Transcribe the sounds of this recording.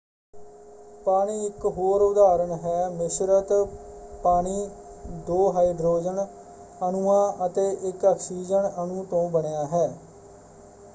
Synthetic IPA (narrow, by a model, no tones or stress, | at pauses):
paːɽiːɪkɦoːɾʊd̪aːɾəɳɦɛːmɪʃɾət̪paːɳiː | d̪oːɦaːiːɖɾoːd͡ʒən | ənuːãːʔət̪eːʔɪkəkʰsiːd͡ʒəɳənũːt̪õːbəɳejaːɦɛː